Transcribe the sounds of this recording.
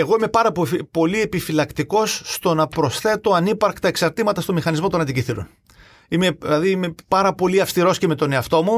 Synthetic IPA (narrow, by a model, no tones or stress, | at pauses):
e̞ɣo̞ime̞pɐɾɐppo̞lie̞pifilɐkt̪iko̞sːt̪o̞nɐpɾo̞sθe̞t̪o̞ɐnipɐɾkt̪ɐeksɐɾt̪imɐt̪ɐst̪o̞mixɐnizmo̞t̪o̞nɐnd̪iciθiɾo̰n | imelɐðiime̞pɐɾɐpo̞liɐfst̪iɾo̞sceme̞t̪o̞ne̞ɐft̪o̞mu